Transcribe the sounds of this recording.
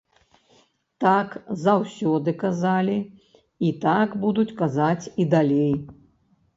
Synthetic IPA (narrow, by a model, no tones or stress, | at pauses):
t̪akzawsʲɔd̪ɨkazalʲi | it̪akbud̪ut͡sʲkazat͡sʲid̪alʲej